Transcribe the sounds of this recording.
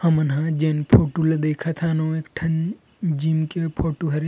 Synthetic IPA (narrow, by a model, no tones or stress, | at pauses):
hɐmənɦãd͡ʒenpʰoːʈuled̪eːkʰat̪ʰanõeːkʈʰɐn | d͡ʒimkepʰoːʈuɦɐɾi